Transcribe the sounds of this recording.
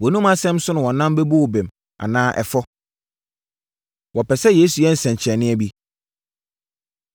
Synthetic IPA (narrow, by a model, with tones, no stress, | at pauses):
wɔ˨nũ˦mã˦sɛ̃˦msʊ˦nʊ̃˨wɔ̃˨nã˦m˦be˦bo˦wɔ˨bɛ̃˨m | ã̰˨nãː˦ʔɛ̰˨fɔ˦ | wɔ˨pɛ˨sɛ˦jeː˦su˨jɛ˦n̩˨sɛ̃˨ɲ˨t͡ɕʰɛ˨nɪ̃˦ɛ˦bi˦